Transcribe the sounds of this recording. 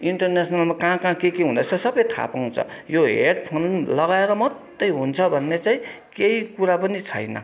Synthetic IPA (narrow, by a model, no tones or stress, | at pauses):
iɳʈʌrnesʰʌnalmakãkãkekeɦũnd̪ʌt͡sʰʌsʌbʌjt̪ʰa̰paw̃t͡sʰʌ̰joɦḛɽpʰonlʌɣaeɾʌmʌt̪ːʌjɦunt͡sʰʌbʱʌnːet͡saĩ | keikuɾapʌnit͡sʰʌ̰jnʌ̰